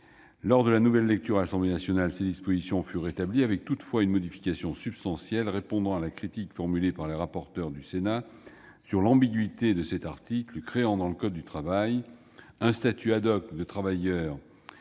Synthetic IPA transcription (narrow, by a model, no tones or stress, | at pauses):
lɔʁd̪əlanuvɛlːɛk̚t̪yʁalasɑ̃blenasjɔnalsed̪ispozisjɔ̃fyʁːet̪abliavɛk̚t̪ut̪fwaynmɔd̪ifi̥kasjɔ̃sypst̪ɑ̃sjɛlʁepɔ̃d̪ɑ̃alakχit̪ikfɔʁmylepaʁleʁapɔʁt̪œʁd̪ysena | syʁlɑ̃biɡɥit̪ed̪əsɛt̪aʁt̪ikləkχeɑ̃d̪ɑ̃ləkɔd̪ːyt̪χavaj | ɛ̃st̪at̪ʰyad̪ɔkd̪ət̪χavajœːʁ